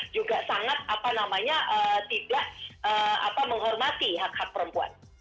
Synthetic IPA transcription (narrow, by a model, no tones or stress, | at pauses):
d͡ʒuɡasaŋat̪̚ʔapanamaɲaʔət̪ibahʔəːa̰paməŋɦɔrmat̪iɦak̚hak̚pəɾəmpua̰n